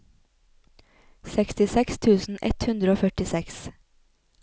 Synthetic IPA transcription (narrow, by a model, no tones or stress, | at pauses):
sɛkst̪ɪsɛkst̪ʰʉːsn̩ʔɛ̰t̪hʉnd̪ɾəoːfœʈɪsɛks